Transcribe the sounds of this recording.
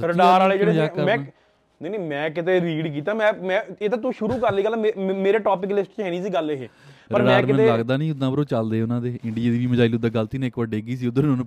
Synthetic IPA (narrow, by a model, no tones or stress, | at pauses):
ssəɾɖaːɾaːleːd͡ʒeːɽːəmɛ̃ː | neineːmɛ̃ːkɪt̪̬eːɾiːɖk̬iːt̪aːmɛ̃ːmɛ̃ːeːt̪ãːt̪̬ũːʃʊɾuːkəɾliːɡəlːemeːɾeːʈoːp̬ɪk̬lɪsʈt͡ʃɦɛːniːs̬iːɡəleɦḛː | səpəɾmɖɛaːɾmkɪɛ̃ːteləɡd̪aːnĩːʊd̪ãːbəɾoːt͡ʃəld̪eːʊnãːd̪eːɪɳɖɪjed̪iːʋiːməd͡ʒaːɪliʊd̪aːɡəlt̪iːnːɪkʋəɖeːɡiːs̬iːʊd̪ə̃ñː